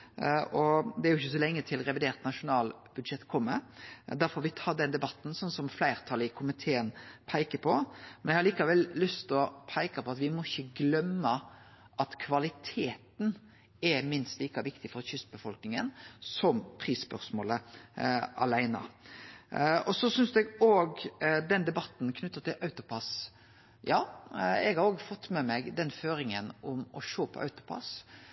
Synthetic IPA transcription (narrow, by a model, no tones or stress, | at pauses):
ɔd̪ɛæɾjʊɪçːəsɔlɛŋːət̪ʰɪlʁɛʋɪd̪eːʁt̪nɑʂʊnɑːlb̥ʉd̪ʃɛt̪ːkʰɔmːə̰d̪æɾfɔɾʋɪt̪ʰɑːd̪ɛnd̪ɛbɑt̪ːn̩sɔnsɔmflæɪʁt̪ʰɑləɪkʰʊmɪt̪ʰeːənpʰæɪkəpʰɔmɛnɛɡhɑliːkɑʋɛlːʏst̪ɔpʰæɪkɑpʰɔɑt̪ʋɪmɔɪçːəɡlœmːə | ʔɑt̪kʰʋɑlɪt̪ʰeːt̪n | ɛmɪnst̪liːkɑʋɪkt̪ɪfɔʁçʏsbəfɔlknɪŋənsɔmpʰɾiːspœɾsmoːlə | ɑ̰læɪnə̰ | ɔsɔsʏnsd̪ɛɡoːɡd̪ɛnd̪ɛbɑt̪n̩kʰnʉt̪ːət̪ʰɪlʔɑʉt̪ʊpʰɑs | jɑːɛɡhɑɾoːɡfɔt̪ːmɛmɛɡd̪ɛnføːɾɪŋənʊmɔʃoːpʰɔ̰ʔɑ̰ʉt̪ʊ̥pʰɑ̰s